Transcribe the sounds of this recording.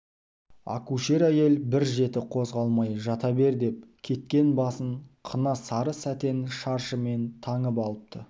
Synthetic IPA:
a̰kuʃe̞ɾæje̞lbɪɾʒe̞t̪ɪqʰo̞zʁɑlˠmɑjʒɑt̪ɑbe̞ɾd̪e̞p̚kʲʰe̞t̪̚kʲe̞nbɑsəɴqʰənɑsɑɾəsæt̪e̞nʃɑɾʃəme̞nt̪ʰɑɴəp̬ɑlˠəp̚t̪ʰə

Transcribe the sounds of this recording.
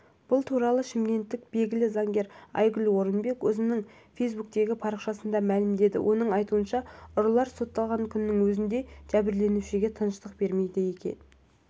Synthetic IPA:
b̥ʊlˠt̪ʰuɾɑlˠəʃɪmɡʲe̞nt̪ːɪk̚be̞lɡʲɪlɪzɑŋɡʲe̞ɾɑ̰jɡʲʏlwo̞ɾənbe̞kwɵzɪnɪŋ | fe̞jsbuk̚t̪e̞ɡʲɪpʰɑɾəqʃɑsənd̪ɑmælɪmd̪e̞d̪ɪ̰wʔo̞nəɴɑjt̪uənʃɑʊɾlˠɑɾso̞t̪ːɑlˠʁɑŋkʲʰʏnːɪŋwɵzɪnd̪e̞ʒ̥æbɪɾle̞nuʃɪɡʲe̞t̪ʰənəʃt̪əqbe̞ɾme̞jd̪ɪje̞kʲe̞̰n

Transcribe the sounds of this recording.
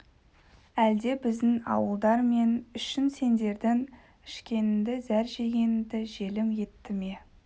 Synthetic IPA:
æld̪e̞bɪzd̪ɪnɑ̰wəlˠd̪ɑɾme̞nʏʃɪnse̞nd̪e̞ɾd̪ɪŋ | ɪʃkʲe̞nɪnd̪ɪzæɾʒeɡʲe̞nɪnd̪ɪʒe̞lɪmje̞t̪ːɪme̞

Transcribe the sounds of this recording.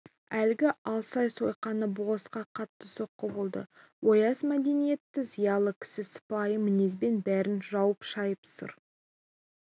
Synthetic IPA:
ælɡʲɪʔɑlˠsɑjso̞jqɑnəbosqɑqʰɑt̪ːəso̞qːəbo̞lˠd̪ə̰wo̞jɑsmæd̪e̞nije̞t̪ːɪzijɑlˠəkʲʰɪ̥sɪsə̥pɑjəmɪnezbe̞nbæɾɪnʒɑwəpʃɑjəpsə̰ɾ

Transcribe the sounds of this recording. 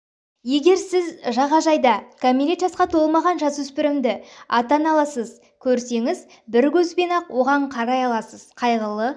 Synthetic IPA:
je̞ɡʲe̞ɾsɪzʒɑʁɑʒɑjd̪ɑkʰamiɾʲet̪ʒɑsqɑt̪ʰo̞lˠmɑʁɑnʒɑswʏspɪɾɪmd̪ɪɑt̪ɑnɑlˠɑsəz | kʲʰɵɾse̞ŋɪz | bɪɾkʲɵzbe̞nɑqwo̞ʁɑɴqʰɑɾɑjɑlˠɑsəz̥qʰɑjʁəlˠə

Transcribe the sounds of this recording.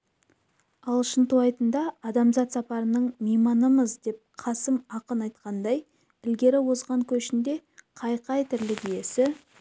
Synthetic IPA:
ɑlˠʃənt̪uɑjt̪ənd̪ɑːd̪ɑmzɑt̪sɑpɑɾənəɴmijmɑnəməzd̪e̞p̚qʰɑsəmɑqənɑjt̪̚qɑnd̪ɑj | ɪlɡʲe̞ɾɪwo̞zʁɑŋkʲʰɵʃɪnd̪e̞qʰɑjqɑjt̪ʰɪɾlɪɡ̪ije̞sɪ

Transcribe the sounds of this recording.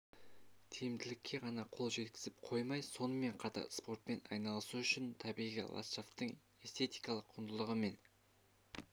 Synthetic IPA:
t̪ʰejɪmd̪ɪlɪkʲʰːe̞ʁɑnɑqʰo̞lˠʒe̞t̪kʲɪ̥zɪpqʰo̞jmɑjso̞nəme̞ɴqʰɑt̪ɑ̰ɾspo̞rt̪̚pe̞nɑ̰jnɑlˠəsuʏʃɪnt̪ʰɑbijʁḭla̰t̪ʃaft̪əɴ | e̞st̪ʰe̞t̪ijkɑlˠəqʰːʊnd̪əlˠəʁəme̞n

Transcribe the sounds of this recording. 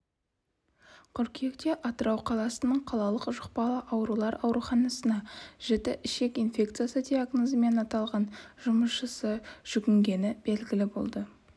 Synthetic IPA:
qʰʏɾkʲʰe̞kt̪eʔɑt̪əɾɑwqʰɑlˠɑsənəɴqʰɑlˠɑlˠəqʒʊq̚pɑlˠəʔɑwɾulˠɑɾɑ̰wɾuχɑnɑsənɑʒ̥et̪ɪʔɪʃe̞kinfʲe̞kt̪sɨjasəd̪ʲeaɡnozəme̞nɑt̪ɑlˠʁɑnʒ̥ʊməsʃəsəʒ̥ʏɡʲɪŋɡʲe̞nɪb̥e̞lɡʲɪlɪbo̞̰lˠd̪ə

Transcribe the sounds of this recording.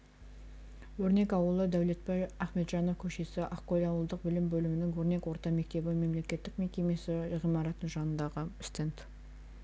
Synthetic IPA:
wɵɾne̞kɑwəlˠəd̪æwlet̪bɑjæχme̞t̪ʒɑnofkʲʰɵʃe̞sɪʔɑqːoj̪ʲɑwəlˠd̪əq̚bɪlɪmbɵlɪmɪnɪŋwɵɾne̞kwo̞ɾt̪ɑme̞k̚t̪e̞bɪme̞mle̞kʲe̞t̪ːɪkme̞kʲe̞me̞sɪʁijmɑɾɑt̪ənʒɑnənd̪ɑʁəst̪ent̪

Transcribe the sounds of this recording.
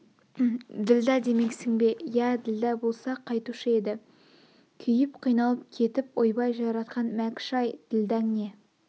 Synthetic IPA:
d̪ɪld̪æd̪e̞me̞ksɪŋbe̞jæd̪ɪld̪æbo̞lˠsɑqʰɑjt̪uʃəe̞d̪ɪ | kʲʰʏjɪpqʰijnɑlˠəp̚kʲʰe̞t̪ɪpo̞jbɑjʒɑɾɑt̪qʰɑnmækʲʃɑjd̪̥ɪld̪æŋne̞

